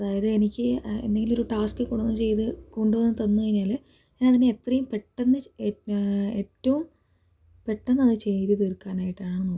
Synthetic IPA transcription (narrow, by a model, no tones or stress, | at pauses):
ɐðaːjɐðɨenikʲːɨḛnd̪e̞ŋɡilmo̞ɾuʈaːskɨkoɽunːumt͡ɕe̞jt̪ɨko̞ɳɖuʋɐnːɨt̪ɐnːuɐiɲːaːl | ɲaːnɐðineet̪rɐjumpe̞ʈːenːɨ | e̞ːtːɐʋum | pe̞ʈːenːɐðɨt͡ɕe̞jt̪ɨt̪irkːaːnaːjiʈːaːɳɨnoː